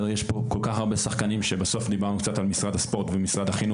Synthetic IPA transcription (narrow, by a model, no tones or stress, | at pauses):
ejeʃpo̞ko̞lkaχaʁbesaχkanimʃebeso̞fd̪ibaʁnukt͡satalmisʁadhaspo̞ʁt̪vemisʁad̪aχinu